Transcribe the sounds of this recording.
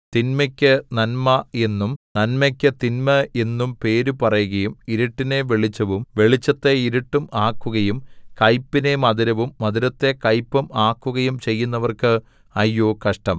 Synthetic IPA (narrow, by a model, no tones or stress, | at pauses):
t̪inmɐkʲːɨnɐnmɐe̞nːumnɐnmɐkʲːɨt̪inmɐe̞nːumpe̞ːɾupɐrɐjuɣɐjumiɾiʈːine̞ʋeɭit͡ɕːɐʋumʋe̞ɭit͡ɕːɐt̪ːe̞iɾiʈːumaːkːuɣɐjumkɐjpːinemɐðiɾɐʋumːɐðiɾɐt̪ːe̞kɐjpːɐmaːkːuɣɐjumt͡ɕe̞jːunːɐʋɐrkɨ | ɐjːoːkɐʂʈɐm